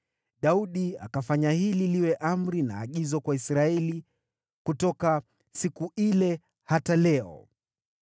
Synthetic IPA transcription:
ɗauɗia̰kafaɲahililiwɛʔam̩ɾina̰ːɠizɔkwaisɾaɛli | kutɔka | sikuʔilɛ | hatalɛɔ̰

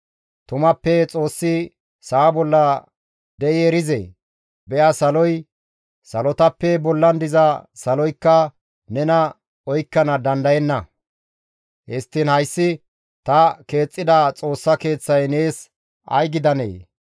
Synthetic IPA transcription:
t̪ʊmɐpːɛt͡sʼo̞ːsːɪ | saːbɔlːɐ | d̪ɛjɪɛɾɪzḛ | bɛʔɐsɐlɔj | sɐlɔt̪ɐpːɛbɔlːɐnd̪ɪzɐsɐlɔjkːɐ | nɛnɐ | ɔjkːɐnɐd̪ɐnd̪ɐjɛnːɐ | hɛst̪ːɪnhɐjsːɪ | t̪ɐke̞ːt͡sʼːɪd̪ɐt͡sʼo̞ːsːɐke̞ːt͡sːɐjne̞ːs | ʔɐ̰jɡɪd̪ɐnḛː

